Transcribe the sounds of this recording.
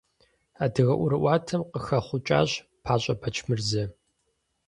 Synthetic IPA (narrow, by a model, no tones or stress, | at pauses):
aːdɨɣɐʔʷʊɾɨʔʷɑːtʰɐmqəxɐχʷʊt͡ʃʼa̰ːɕ | pʰaːɕʼɐbʰɐt͡ʃʰmɨrzɐ